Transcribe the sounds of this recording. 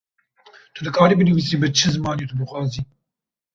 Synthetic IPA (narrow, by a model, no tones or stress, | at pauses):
t̪ʰud̪ɨkʰɑːɾiːbɨnɨviːsiːbɨt͡ʃʰɨzɨmɑːnit̪ʰubɨxʷɑːziː